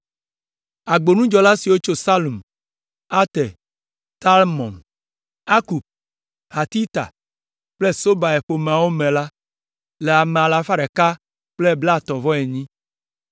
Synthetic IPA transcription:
a˨ɡ͡bo˨nũ˦d͡ʒɔ˨la˦si˨wo˦t͡ʃo˦sa˦lu˨m | a˦t̪ɛ˨ | t̪a˦lmɔ̰̃˨n | a˦ku˨b̚ | ha˨t̪i˦t̪a̰˨ | k͡ple˦so˦ba˨e˨ɸo˨mẽ˨a˨wo˦mɛ̃˨la˦ | lɛ˨a˨mẽ˨a˨la˨fa˦ɖɛ˨ka˦ | k͡ple˦bla˦˨t̪ɔ˨vɔ˦ɛ˨ɲĩ˦

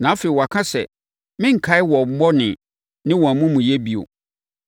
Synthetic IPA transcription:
nãː˨˦fe˨i˨wɔ˨a˨kʰã˦sɛ̰˨ | mɪ̃˦ŋ̩˨kʰa˦ɪ˦wɔ˨m̩˦mɔ˦nɪ̃˨ | nɪ̃˦wɔ̃˨a˨mʊ̃˦mũ˨jɛ˦bi˨o̰˨

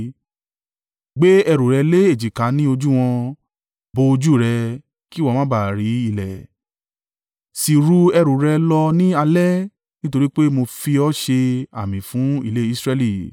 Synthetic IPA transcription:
ɡ͡be˦ɛ˧ɾu˨ɾɛ˨˧le˦e˦˨d͡ʒi˨ka˨˦nĩ˦o˧d͡ʒu˦w̃ɔ̃˧ | bo˧d͡ʒu˦˨ɾɛ˧ | ki˦wɔ˦˧mã˦ba˨ɾi˨˦i˦˨lɛ˨ | si˧ɾu˧ɛ˧ɾu˨ɾɛ˧lɔ˧nĩ˦a˧lɛ˦ | nĩ˦to˧ɾi˦k͡pe˦mo˧fi˧ɔ˦ʃe˧a˨mĩ˨fũ˨˦i˦˨le˦i˦sɾɛ˧li˦˨

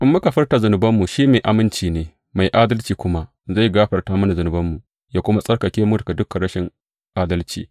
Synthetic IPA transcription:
ʔɪ˨˦mːʊ˦ka˨ɸɪ˦rta˨zʊ˨nʊ˨bɐ˦mːu˨ʃiː˦meː˨ʔa˨mɪ˦nt͡ʃiː˨neː˦ | ma˨jʔaː˦dɐ˦lt͡ʃiː˨kʷʊ˦ma˦ | za˦˨ɡaː˦ɸɐ˨rtaː˦mɐ˦na˨zʊ˨nʊ˨bɐ˦mːu˨ | jaː˦kʷʊ˦ma˦sʼɐ˦rkɐ˨kʲeː˦mu˦dɐ˨ka˨dʊ˦kɐ˨ɽɐ˦ʃɪ˨ŋ | ʔaː˦dɐ˦lt͡ʃḭː˨

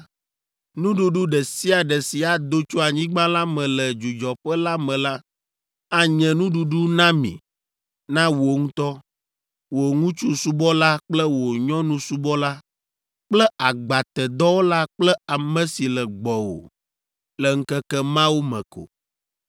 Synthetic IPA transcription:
nũ˦ɖu˦ɖu˦ɖɛ˨si˦a˨ɖɛ˨si˨a˨d̪o˦t͡ʃu˦a˨ɲĩ˦ɡ͡bã˦la˦mɛ̃˨lɛ˨d͡ʒu˨d͡ʒɔ˨ɸɛ˦la˦mɛ̃˨la˦ | a˦ɲɛ̃˨nũ˦ɖu˨ɖu˦nã˦mḭ̃˨ | nã˦wo˨ŋũ˦t̪ɔ˦ | wo˨ŋũ˦t͡ʃu˦su˦bɔ˦la˦k͡plɛ˦wo˨ɲɔ̃˦nũ˦su˦bɔ˦la˦ | k͡plɛ˦ʔa˨ɡ͡ba˨t̪ɛ˨d̪ɔ˦wo˦la˦k͡plɛ˦a˨mɛ̃˦si˨lɛ˨ɡ͡bɔ˨wo̰˨ | lɛ˨ŋ̩˦kɛ˦kɛ˦mã˦wo˦mɛ̰̃˨ko̰˨

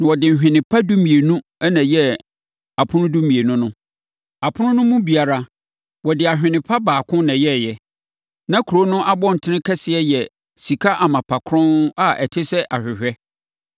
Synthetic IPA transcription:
nã˨wɔ˨dɪ̃˨n̩˨ɕᶣɪ̃˨nɪ̃˨pʰa˦du˦mĩ˨e˨nũ˦ | ɛ˦nɛ̃˨jɛ˦ | a˨pʰʊ̃˦nʊ̃˦du˦mĩ˨e˨nʊ̃˦nʊ̃˦ | a˨pʰʊ̃˦nʊ̃˦nʊ̃˦mũ˦bi˨a˨ɾa˦ | wɔ˨dɪ˨a˨ɕᶣɪ̃˨nɪ̃˨pʰa˦baː˨kʰʊ̃˦nɛ̃˨jɛ˦˨jɛ˨ | nã˦kʰu˨ɾo˦nʊ̃˦ʔa˦bɔ̃˦n̩˨tʰɪ˦nɪ̃˦kʰɛ˦sɪ˨ɛ˦jɛ˨ | si˨kʰa˦ʔa˨mã˨pʰa˨kʰɾɔ̃˦na˦ʔɛ˨tʰɪ˦sɛ˦ʔa˨ɕᶣɪ˨ɕᶣɛ˦

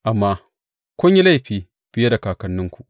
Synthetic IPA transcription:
ʔa˨mːa˦ | kʷo˦ɲji˦la˦˨ɸiː˨ | b̥ɪ˦je˦da˨kaː˨kɐ˦nːɪ˦ŋkʷu˨ʔ

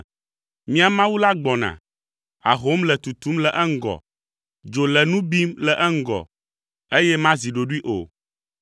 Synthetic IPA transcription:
mĩ˦a˨mã˦wu˦la˦ɡ͡bɔ˨nã̰˨ | a̰˨ɦo˦mlɛ˨t̪u˨t̪u˦mlɛ˨ʔɛ˦ŋ̩˦ɡɔ̰˨ | d͡ʒo˨lɛ˨nũ˦bi˦mlɛ˨ʔɛ˦ŋ̩˦ɡɔ̰˨ | e˦jɛ˦mã˦zi˨ɖo˨ɖu˦i˦ʔo̰˨

